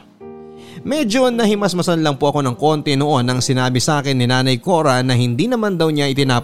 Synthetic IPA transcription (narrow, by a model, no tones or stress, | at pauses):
mɛd͡ʒo̞nɐhɪmɐsmɐsɐnlɐŋpoʔɐko̞nɐŋko̞nt̪ɛnoʔo̞nɐŋsɪnaːbɪsɐʔaːkɪnːɪnaːnɐjko̞ːɾɐnɐɦɪnd̪inɐmand̪ɐwɲaʔɪt̪ɪnaː